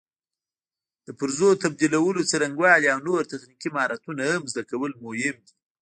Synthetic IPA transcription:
d̪̥əpəɾzot̪ab̚d̪ilawəlot͡saɾaŋɡwɑliawnoɾt̪axnikimɑɾat̪unaamzd̪akawəlmʊhɪmd̪i

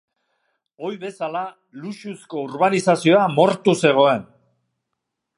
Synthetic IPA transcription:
o̞jβe̞sala | luʃusko̞uɾβanisasio̞amo̞ɾt̪use̞ɣ̞o̞e̞n

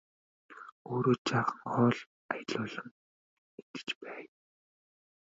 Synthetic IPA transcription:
oːɾoːt͡ɕaːχə̆ŋχɔːɮ | ajɮʊːɮə̆ŋ | et̪ɘ̥̆t͡ɕpæːj

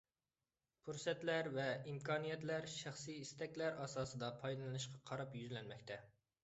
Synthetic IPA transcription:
pʰuɾsɛt̪læɾvɛimkʰɑːnijɛt̪læɾʃæχsɨist̪ɛkʲlæɾɑsɑːsɨd̪ɑpʰɑjd̪ɨnɨnɨʃqʰɑqʰɑɾɑpjyzlɛnmɛkʲt̪ʰɛ

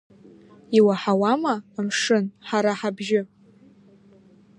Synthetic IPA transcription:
iwaħawamaːmʂɨnħaɾaħabʒɪ

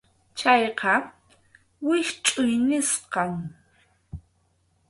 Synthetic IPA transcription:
t͡ʃajqɑ | wɪʃt͡ʃʼʊjnɪsqɑŋ

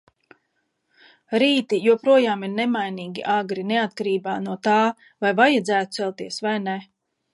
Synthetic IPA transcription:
ɾiːt̪ijuɔpɾuɔjaːmiɾnemajniːɡʲḭʔaːɡɾineat̪kaɾiːbaːnuɔt̪aː | vajvajad̪zæːt̪u̥sɛlˠt̪iɛsvajne

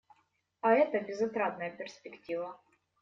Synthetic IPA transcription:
ɐɛt̪əbʲɪzɐt̪ɾat̪nəjəpʲɪrspʲɪktʲivə

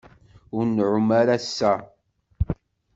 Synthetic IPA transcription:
ʊɾnʕʊmaɾæsːæ

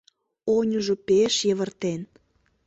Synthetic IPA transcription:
onʲuʒopeʃjəβə̆rt̪en

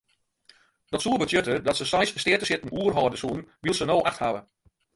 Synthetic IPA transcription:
d̥ɔtsuəbətjøtədɔtsəsɛjsstɪtəsɪtn̩uərɦɔːrdəsuənʋilˠsənoːʔaxtha̰ʋə

